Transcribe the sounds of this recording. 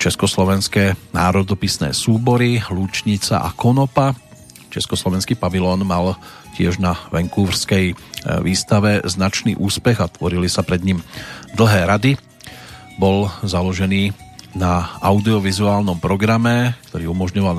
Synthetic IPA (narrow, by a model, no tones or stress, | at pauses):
t͡ʃɛskɔslɔʋɛnskɛːnaːɾɔd̪ɔpisnɛ̰ːsuːbɔɾiluːt͡ʃɲit͡sa̰ʔa̰kɔnɔpa | t͡ʃɛskɔslɔʋɛnskiːpaʋilɔːnmal | cɪɛʒnaʋɛŋkuːʋɾskɛjʋiːst̪aʋɛznat͡ʃnḭːʔuːspɛɣat̪ʋɔɾilisapɾɛd̪ɲimd̪l̩ɦɛːɾad̪i | bɔlzalɔʒɛniːnaaʊd̪iɔʋizuaːlnɔmpɾɔɡɾamɛkt̪ɔɾiːumɔʒɲɔʋal